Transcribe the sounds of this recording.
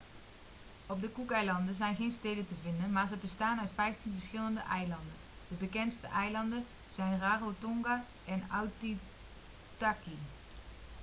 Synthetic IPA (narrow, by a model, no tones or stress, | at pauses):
ɔb̚dəkukɛjlɑndəzɛjnχejnstejdəntəvɪndənmaːɹzəbəstaːnœɥtfɛjftinvəɹsχɪləndəʔɛjlɑndən | d̥əbəkɛntstəʔɛjlɑndən | z̥ɛjnraːrotɔŋɡa | ʔɛnawti | taki